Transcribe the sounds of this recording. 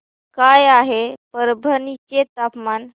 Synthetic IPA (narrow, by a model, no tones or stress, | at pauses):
kajaɦepəɾbʱənit͡ɕet̪apman